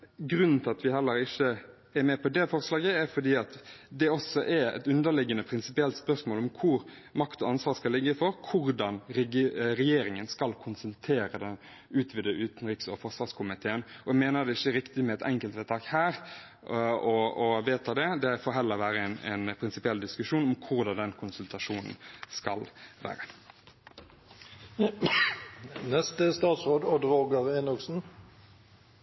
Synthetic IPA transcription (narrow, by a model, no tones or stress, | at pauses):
ɡɾʉnn̩t̪ʰɪɑt̪ʋɪɦɛlːəɾɪçːə | ɛɾmɛpʰɔd̪ɛfɔɾslɑːɡəæɾfɔd̪iːɑt̪d̪ɛɔsːɔʔɛɾɛ̰t̪ʉnd̪əɾlɪɡːənəpʰɾɪnsɪpɪɛlt̪spœsmoːlɔmkʰʊɾ | mɑkt̪ɔɑnsʋɑːʁskɑlɪɡːəfɔɾkʰʊɾd̪ɑnɾɛɾɛjeːɾɪŋənskɑlkʰʊnsɛnt̪ʰeːɾəd̪ɛn | ʉːt̪ʰʋɪd̪əʔʉːt̪n̩ɾiːksɔfɔʂʋɑːskʰʊmɪt̪ʰeːənɔɛɡmeːnəd̪ɛɪçːəɾɪkt̪ɪmɛɛt̪ʰɛŋkəlt̪ʋɛːt̪ʰɑːkhæːɾ | ɔɔʋeːt̪ʰɑd̪ɛd̪ɛfoːɦɛlːəɾʋæːɾəɛnɛ̰npʰɾɪnsɪpɪɛld̪ɪskʉʂuːnɔmkʰʊʁd̪ɑd̪ɛnkʰʊnsʉlt̪ɑʂuːnn̩skɑlʋæ̰ːɾə | nɛst̪əst̪ɑːt̪sʁoːd̪ɔd̪ɾoːɡəʁeːnʊksn̩